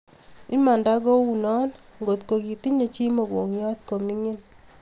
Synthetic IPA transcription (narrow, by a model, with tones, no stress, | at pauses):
i˦ma˨nda˦ɡo˦wu˨nɔ˦n | ŋɡo˨tko˨ki˨ti˦ɲe˨t͡ʃi˦mo˨ɡo˨ŋjɔ˦tko˨mi˦ŋɪ˦n